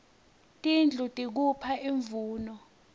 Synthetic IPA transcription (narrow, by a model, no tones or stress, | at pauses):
tʼind͡ɮʱutʼik̬upʰaiɱvuːnɔ